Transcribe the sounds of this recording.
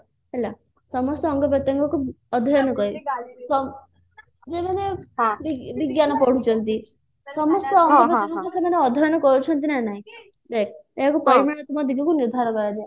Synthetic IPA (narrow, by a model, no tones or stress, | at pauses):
ɦela | sɔmɔst̪ɔːŋɡɔbɔt̪ɔŋkɔku | ɔd̪ʱɔjɔnɔkɔisɔm | d͡ʒemanebibiɡjanɔpɔɽ̤ut͡ʃʰɔnt̪i | sɔmɔst̪ɔːŋɡɔbɔɔŋɡɔkɔsemaneɔd̪ʱɔjɔnɔkɔɾut͡ʃʰɔnt̪inanaɦĩ | d̪ekeɦakupɔɾimaɽat̪umɔd̪ikikuniɾd̪ʱaɾɔkɔɾad͡ʒa